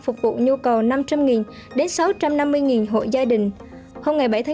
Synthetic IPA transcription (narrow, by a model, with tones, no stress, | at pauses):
fʊ˨˩k͡p̚vṵ˧˨ɲu˧kə˨˩wna˧mt͡ɕa˧mŋi˨˩n | ɗe˨˦nsa˨˦wt͡ɕa˧mna˧mːɨ˧əjŋi˨˩nɦo̰˧˨jzaː˧ɗï˨˩ŋ̟ | ho˧wŋ͡mŋa˨˩jɓa˧˩jt̪ʰː